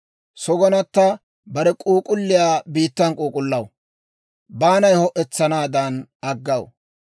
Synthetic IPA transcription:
sɔɡɔnɐt̪ːɐ | bɐɾɛkʼuːkʼʊlːɪjaːbiːt̪ːɐnkʼuːkʼʊlːɐw | baːnɐjhɔʔɛt͡sːɐnaːd̪ɐnɐɡːɐw

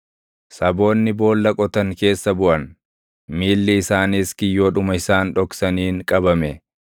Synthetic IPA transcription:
sɐbo̞ːnːɪbo̞ːlːɐkʼɔt̪ɐŋke̞ːsːɐbʊʔɐn | miːlːɪɪsaːniːskɪjːoːᶑʊmɐɪsaːnᶑɔksɐniːŋkʼɐbɐmɛ

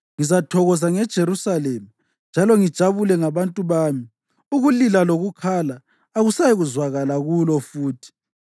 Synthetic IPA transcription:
ŋizatʰɔɣɔzaŋɛd̥ʒ̥ʱeɾusalemi | nd͡ʒʱalɔŋid̥ʒ̥ʱaβulɛŋaβantʼuβaːmi | uɣulilaloɣukʰaːlaː | ɣusajiɣuzwaɣalaɣulɔfuːtʰi̥

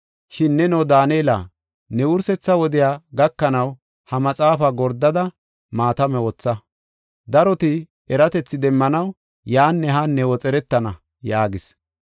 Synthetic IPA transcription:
ʃɪnːɛnɔd̪aːnela̰ː | nɛwʊɾsɛt͡sːɐwɔd̪ɪjaːɡɐkːɐnɐw | hɐmɐt͡sʼaːfɐɡɔɾd̪ːɐd̪ɐ | maːt̪ɐmɛwɔt͡sːɐ | d̪ɐɾɔt̪ɪ | ɛɾɐt̪ɛt͡sːɪd̪ɛmːɐnɐw | jaːnːɛɦɐnːɛwɔt͡sʼɛɾɛt̪ːɐnɐ | jaːɡɪs

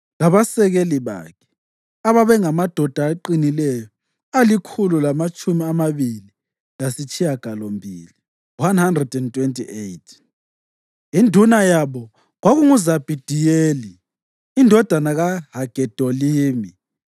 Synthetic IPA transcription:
laβasɛɣeliβa̰kʰɛ̥ | aβaβɛŋamad̥ʱɔd̥ʱaːǃinilɛjɔ | alikʰululamat͡ʃʼumiamaβili | lasit͡ʃʰʼijaɡ̥ʱalombʱili | wanhandrɛdɛntʼwentʼiʔejtʰ | indʱunajaβɔ | ɣwaɣuŋuzab̥ʱid̥ʱijeːliː | ndʱɔd̥ʱanaɣaɦaɡ̥ʱɛd̥ʱɔliːmi

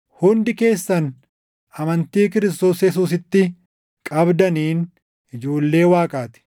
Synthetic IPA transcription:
hʊnd̪ɪke̞ːsːɐn | ʔɐmɐnt̪iːkɪɾɪs̬t̪o̞ːsjɛs̬uːs̬ɪt̪ːɪ | kʼɐbd̪ɐniːn | ɪd͡ʒoːlːe̞ːwaːkʼaːt̪ɪ̥

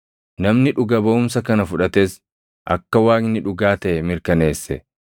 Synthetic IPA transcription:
nɐmnɪᶑʊɡɐbɐʊms̬ɐkɐnɐfʊᶑɐt̪eːs | ʔɐkːɐwaːknɪᶑʊɡaːt̪ɐʔɛmɪɾkɐne̞ːsːɛ

